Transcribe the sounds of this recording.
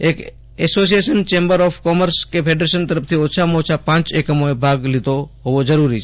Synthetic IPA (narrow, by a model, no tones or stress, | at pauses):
ek | ɛsos̬ieʃənt͡ʃẽːmbəɾɔfkɔməɾskepʰeɖɾeʃənt̪əɾəpʰt̪ʰiot͡ʃʰamot͡ʃʰapãːt͡ʃekəmoebʱaɡlɪt̪oɦoʋod͡ʒəɾuɾit͡ʃʰ